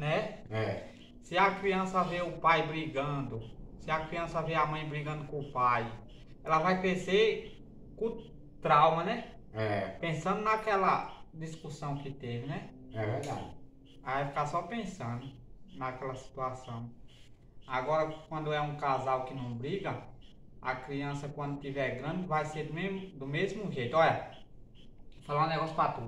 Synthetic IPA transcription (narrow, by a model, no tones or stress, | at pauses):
nɛɛ | sɪɐkɾiɐ̃sɐveʊpajbɾiɡɐ̃d̪ʊsɪɐkɾiɐ̃sɐveamɐ̃j̃bɾiɡɐ̃nd̪ʊkõʊpaj | ɛlɐvajkɾese | kõ | t̪ɾawmɐnɛ | ɛpẽsɐ̃nd̪ʊnakɛlɐd̪iskusɐ̃w̃kɪt̪evɪnɛɛvɛɾd̪a̰d͡ʒɪ | avajfi̥kasɔpẽsɐ̃d̪ʊ | nɐkɛlɐsi̥t̪uasɐ̃w̃ | aɡɔɾɐkwɐ̃nd̪ʊɛũkazawkɪnɐ̃w̃bɾiɡɐ | a̰kɾiɐ̃sɐkwɐ̃nd̪ʊt̪ivɛɾɡɾɐ̃d͡ʒ̪ɪvajsed̪ʊmemd̪ʊmezmʊʒejt̪ɔɐ | falaũnɛɡɔsjʊ̥pɾat̪ud̪ʊ